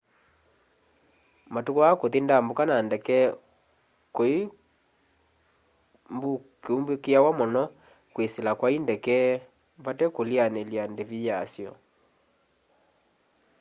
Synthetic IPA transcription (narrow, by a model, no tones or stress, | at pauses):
matukoakoðindambokanandɛkɛ | koi | mbukeumbekeawamɔnɔ | kweselakwaindɛkɛ | βatɛkolianeljandevijasjɔ̰